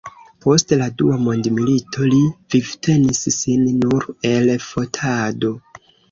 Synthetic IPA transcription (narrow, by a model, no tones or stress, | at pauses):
po̞stladuamo̞ndmilitʰo̞livivtʰe̞nisːinːuɾe̞lfo̞tʰado̞